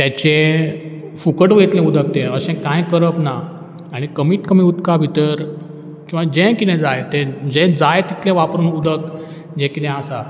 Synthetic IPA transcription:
t̪jat͡ɕẽ | fukəʈʋet̪lɛ̃ud̪ʱək̚t̪ɛ̃əsɛ̃kãjkəɾəpnaː | ɽ̃ikəmiːʈkəmiut̪kabʱit̪əɾ | kĩw̃ʋad͡ʑɛ̃kit̪ɛ̃d͡zajt̪ɛ̃d͡ʑɛ̃d͡zajt̪it̪ʰlɛ̃ʋapɾuːnud̪ʱək | d͡ʑɛ̃kit̪ɛ̃asa

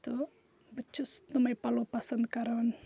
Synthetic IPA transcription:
t̪u | bət͡ʃʊst̪umajpalopasankaɾan

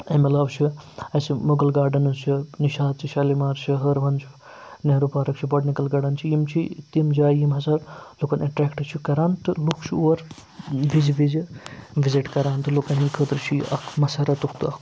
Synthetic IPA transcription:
ɐmɐlaːʋt͡ʃʰiɐsimuɡɐlɡaːɾɖɐnɨt͡ʃʰiniʃaːt̪̚t͡ʃʰiʃɐlimaːɾt͡ʃʰiɦəɾʋɐnt͡ʃʰi̥ | neːɾupaːɾɐkt͡ʃʰibɐɖnikɐlɡaːɖɐnt͡ʃʰijimt͡ʃʰit̪imd͡ʒaːjimɦɐsɐɾlokɐnɐʈɾɛːkʈɨt͡ʃʰikɐɾaːnt̪ɨlukʰt͡ʃʰuuɐɾ | ʋizʋizʋiziʈkɐɾaːnt̪ɨlokɐnikʰət̪ɾt͡ʃʰiɐkʰmɐsɐɾɐt̪ukʰt̪ɐk

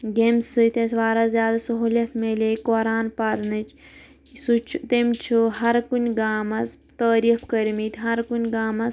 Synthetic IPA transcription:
ɡemsɨt̪esʋaːɾazʲjaːd̪asɐɦuːlʲɐt̪ʰmelekoːɾaːnpɐɾnɨt͡ʃʰ | sut͡ʃʰut̪emʲt͡ʃʰuɦɐɾkunʲɡaːmɐs | t̪ɐːɾifʰkɐɾmit̪ʲɦɐɾkunʲɡaːmɐs

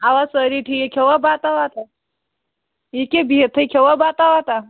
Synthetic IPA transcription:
aʋasəɾiʈʰijekʲʰewabat̪aʋat̪ʰa | ikebʱit̪ʰəkʲʰewabat̪aʋat̪a

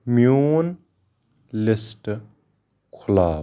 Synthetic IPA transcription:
mjuːn | lɪsʈ | kʰʊlaː

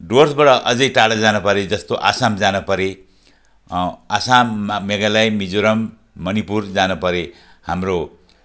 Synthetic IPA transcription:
ɖorsbaɽʌʔʌd͡zʌjʈaɽʌd͡zanupʌɾed͡zʌst̪oʔa̰samd͡zanupʌɾe | asamːeɡalajmid͡zoɾʌmː | ʌnipurd͡zanupʌɾe | hamro

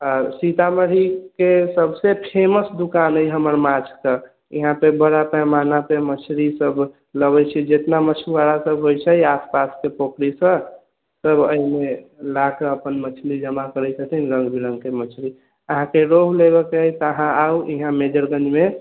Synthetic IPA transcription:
ɔɾsit̪aməɽ̤ikesəbʱsepʰeməsd̪ukanəjɦəməɾmat͡ʃʰkə | ḭɦãpebəɽapɛmanapemət͡ʃʰɾisəb | ləβɛt͡ʃʰɛd͡ʒet̪namət͡ʃʰuʋaɽasəbɦojt͡ʃʰɛaspaskepokɾisə̃ | səbʱəimelakəəpənmət͡ʃʰlid͡ʒəmakəɾɛjt͡ʃʰət̪ʰinɾə̃ŋɡbiɾə̃ŋɡkemət͡ʃʰɾi | əɦãkeɾoɦlebekeəit̪əɦãauiɦãmed͡ʒəɾɡə̃nd͡ʒme

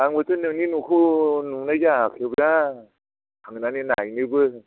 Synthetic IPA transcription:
aŋbɯtɯnɯninukʰunuŋnajakʰebɾa | kʰaŋɯnanina̰jnɯbɯ

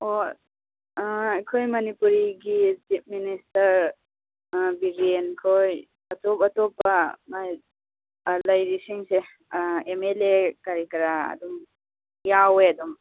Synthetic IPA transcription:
o | ajkʰojmɐnipuɾiɡit͡ʃip̚ministɐɾ | biɡienkʰoj | ɐtɔpatɔpamaj | lɐjɾisiŋse | emelekaɾikɾa̰ːdum | jaweɐdum

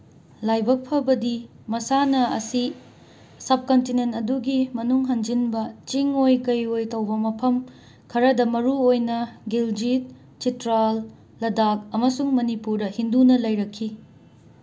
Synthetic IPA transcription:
lajbɐk̚pʰɐbɐdi | mɐsanɐɐsi | sɐb̚kɐntinentɐduɡimɐnuŋɦɐnd͡ʒinbɐt͡ʃiŋojkɐjojtɐwbɐmɐpʰɐm | kʰɐɾɐdɐmɐɾuojnɐɡild͡ʒit̚ | t͡ʃitɾalː | ɐdakɐmɐsuŋmɐnipuɾdɐhindunɐlɐjɾɐkʰːi

